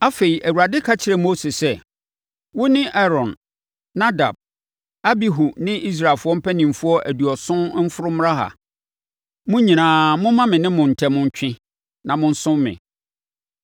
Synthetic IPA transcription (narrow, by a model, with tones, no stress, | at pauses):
a˦fe˨i˨ʔæ˨wu˨ɾa˨dɪ˦kʰa˦t͡ɕʰɪ˨ɾɛ˨mo˦se˨sɛ˦ | wʊ˦nɪ̃˦ʔɛ˦ɾɔ̃˨nː | a˦da̰˨b̚ | a˦bi˨ɦu˨nɪ̃˦ʔi˦s̬ɾa˨e˨lfʊ˦ɔ˦m̩˦pʰæ˦nĩ˨m̩˨fʊ˦ɔ˦ʔæ˨du˨ɔ˨sʊ̃˦n˦m̩˦fʊ˦ɾʊ˦m˦ɾã˦ɦa̰˨ | mʊ̃˦ɲĩ˨nãː˨mʊ̃˦mã˦mɪ̃˨nɪ̃˦mʊ̃˨n̩˨tʰɛ˨mʊ̃˦ɲ˦t͡ɕᶣɪ̃˦ | nã˨mʊ̃˦n̩˦sʊ̃˦mːɪ̰̃˨